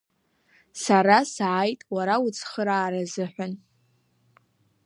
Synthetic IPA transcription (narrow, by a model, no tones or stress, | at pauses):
saɾasʕajtʼwaɾaut͡sʰχəɾaːɾazɨħʷan